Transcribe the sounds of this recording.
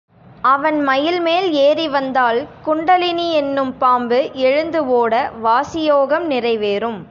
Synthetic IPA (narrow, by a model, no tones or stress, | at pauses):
ɐʋɐnmɐjɪlmeːleːriʋɐnd̪aːlkʊɳɖɐlɪniɛnːɯmpaːmbɯʔɛɻɯnd̪ɯʋoːɽɐʋaːsɪjoːɣɐmnɪrɐɪʋeːrɯm